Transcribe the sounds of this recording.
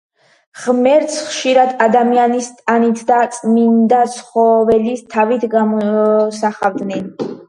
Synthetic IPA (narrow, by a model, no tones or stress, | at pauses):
ʁmɛɾt̪sʰχʃiɾad̪ad̪amianist̪ʼanit̪ʰd̪at̪sʼmind̪at̪sʰχɔvɛlist̪ʰavit̪ʰɡamɔsaχavd̪nɛn